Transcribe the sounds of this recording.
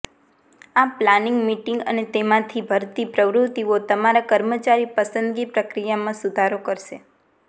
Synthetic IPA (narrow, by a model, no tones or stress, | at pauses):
aplaniŋɡmiʈĩŋɡə̰net̪emãt̪ʰibʱəɾt̪ipɾəʋɾut̪ːiot̪əmaɾakəɾmət͡ʃaɾipəsənd̪ɡipɾəkɾijamãsud̪ʱaɾokəɾʃe